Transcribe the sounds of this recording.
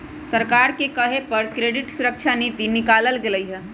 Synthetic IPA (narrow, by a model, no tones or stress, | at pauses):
səɾkaɾkekəɦepəɾkɾeɖiʈsuɾək̚t͡ʃʰanit̪inikaləlɡeləjɦɛ